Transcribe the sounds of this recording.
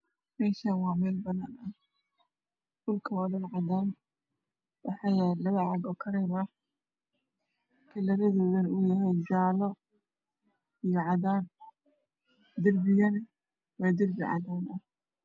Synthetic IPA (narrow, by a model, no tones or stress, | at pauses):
mɛːʃanwɑːmɛːlbɐnanɐh | dʊlkʰɐwɐðɐnʕɑðaːn | wɑħɑjɛlɐβɐʕɑɡɔːkʰɐɾɛːmɐh | kʰɐlɐɾɐðɔːðɐnʊjɐɦɛjd͡ʒaːlɔ | ijɔʕɑðaːn | d̪ɪrbɪjɐnɐ | wɑːd̪ɪrbɪʕɑ̰ðaːnʔɐh